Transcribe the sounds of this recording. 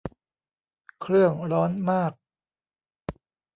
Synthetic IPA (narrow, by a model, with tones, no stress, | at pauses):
kʰɾɯ˥˩əŋɾɔː˦˥nmaː˥˩k̚